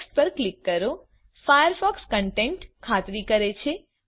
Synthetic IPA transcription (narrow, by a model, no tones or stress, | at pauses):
s̚pəɾklikːəɾo | fajəɾfɔkskəɳʈẽɳʈkʰat̪ɾikəɾet͡ʃʰe